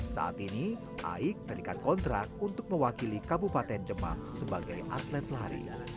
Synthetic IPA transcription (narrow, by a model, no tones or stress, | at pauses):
sa̰a̰t̪ini | ʔa̰ɪk̚bəɾikankɔnt̪ɾak̚t̪unt̪ʊk̚məwakilikabupat̪ɛnd͡ʒəma̰hsəbaɡajʔa̰t̪lɛt̪laɾḭ